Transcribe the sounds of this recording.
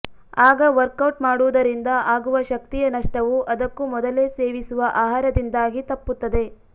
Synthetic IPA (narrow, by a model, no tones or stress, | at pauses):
aːɡɐʋɐɾkɐwʈmaːɽuʋd̪ɐɾind̪ɐʔaːɡuʋɐʃɐkt̪ijɐnɐʂʈɐʋuʔɐd̪ɐkːumɔd̪ɐle̞ːse̞ːʋisuʋɐʔaːɦaːɾɐd̪ind̪aːɡit̪ɐpːut̪ːɐd̪e̞